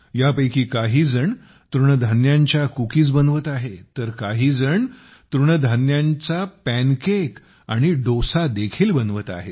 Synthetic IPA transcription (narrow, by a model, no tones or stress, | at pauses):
japəjkiːkaɦiːd͡zəɳ | t̪ɾuɳəd̪ʱanjãɲt͡ɕjakukiːt͡sbənʋət̪aɦet̪əɾkaɦiːd͡zəɳ | t̪ɾuɳəd̪ʱanjaɲt͡sapænkek | aɽ̃iɖosad̪ekʰiːlbənʋət̪a̰ɦe